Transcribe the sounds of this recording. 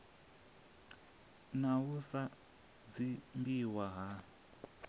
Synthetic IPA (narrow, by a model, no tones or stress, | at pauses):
naɦusa | d͡zimbiwaɦa